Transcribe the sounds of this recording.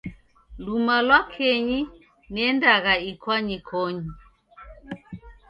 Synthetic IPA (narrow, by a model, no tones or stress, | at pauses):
lumalwakʰɛɲi | nɛndaɣaikwaɲikʰɔɲi